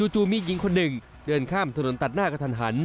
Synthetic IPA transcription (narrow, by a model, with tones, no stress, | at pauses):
t͡ɕuː˧˩t͡ɕuː˧miː˧˥ji˩˦ŋkʰo˧nːɯ˨˩ŋ | dɤː˧nkʰaː˥˩mt̪ʰa˧no˩˦nt̪a˨˩t̪̚naː˥˩ka˧t̪ʰa˧˩nɦa˩˦n